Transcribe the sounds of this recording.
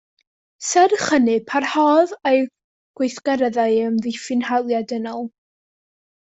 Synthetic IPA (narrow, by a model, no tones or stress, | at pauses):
sɛrχənɨpʰarhɔðej | ɡ̥wejθɡ̥ɛɾəðaɨəmðɪfɪnhalˠjadənɔlˠ